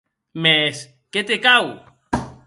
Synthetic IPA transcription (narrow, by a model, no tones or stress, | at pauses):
mes | ket̪ekaw